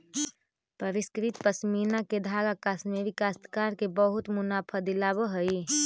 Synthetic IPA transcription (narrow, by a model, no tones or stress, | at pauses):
pəɾiskɾit̪pəsminaked̪ʱaːɡakasmeʋikast̪ʰkaːɾkebəɦʊt̪mʊnaːpʰəd̪ilabəɦəi